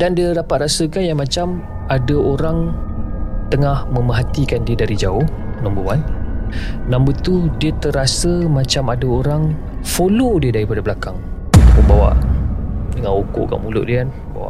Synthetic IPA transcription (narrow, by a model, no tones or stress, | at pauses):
dandiədapat̪̚rasəkanjaŋmãt͡ʃam | adəoɾaŋ | t̪əŋahmə̃məɦat̪ikandiədaɾid͡ʒaʊh | nãmbəwan | nãmbət̪udiət̪əɾasəmãt͡ʃamadəoɾaŋ | folodiədaɾipadabəlakaŋ | məmbawa̰ʔ | dəŋanoko̰ʔka̰ʔmulʊ̰ʔdikanəba̰wa̰ʔʔ